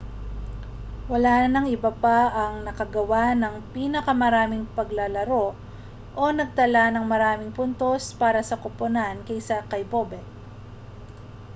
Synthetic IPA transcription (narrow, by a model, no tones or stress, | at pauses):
wɐlanɐŋɪbapaʔɐŋnɐkɐɡɐwanɐŋpiːnɐkɐmɐɾaːmɪŋpɐɡlɐlɐɾo̞ | ʔonɐɡ̚t̪ɐlanɐŋmɐɾaːmɪŋpʊnt̪o̞spaːɾɐsɐkoponankɐjsɐkɐjbobɛ